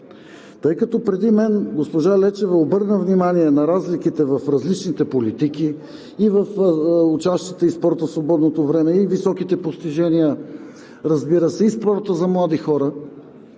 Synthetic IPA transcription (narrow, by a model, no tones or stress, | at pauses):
t̪ɤjkɐt̪ɔpɾɛd̪imɛnɡospoʒalɛt͡ʃɛvɛobɤɾnəvnimaniɛnɐɾazlikit̪ɛvɐfɾɐzlit͡ʃnit̪ɛpolit̪iki | ivɐfut͡ʃast̪jət̪əispɔɾt̪əsvobɔd̪not̪ovɾɛmɛivisɔkit̪ɛpost̪iʒɛnijə | ɾɐzbiɾəsɛispɔɾt̪əzɐmlˠad̪ixɔɾə